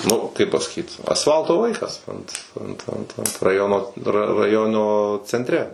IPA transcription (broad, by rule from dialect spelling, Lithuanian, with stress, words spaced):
ˈnʊ kɐɪp pɐsɐˈkʲiːt ɐsˈfɐlˠtoː ˈʋɐɪkɐs ɐnt ˈɐnt ˈɐnt ˈɐnt rɐˈjoːnoː rɐ rɐˈjoːnoː t͡sʲɛnʲtʲˈrʲɛ